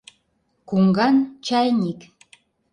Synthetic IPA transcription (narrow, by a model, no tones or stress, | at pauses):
kuŋɡɑnt͡ʃɑjnik